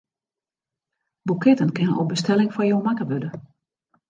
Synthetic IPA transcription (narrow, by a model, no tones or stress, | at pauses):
bukʰɛtənkɪnənʔo̰bəstɛlɪŋfɔjoːmakəʋødə